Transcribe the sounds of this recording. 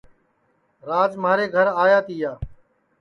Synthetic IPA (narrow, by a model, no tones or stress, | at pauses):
ɾaːd͡ʒmaːɾeːɡʱəɾaːjaːt̪ʰiːjaː